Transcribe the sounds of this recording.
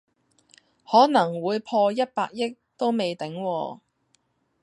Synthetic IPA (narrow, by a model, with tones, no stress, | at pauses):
hɔː˨˥nɐ˨˩ŋwuː˨˧jpʰɔː˧jɐ˥t̚pa̰ː˧k̚jɪ˥k̚t̪o˥wme˨jt̪ɪ˨˥ŋwɔː˧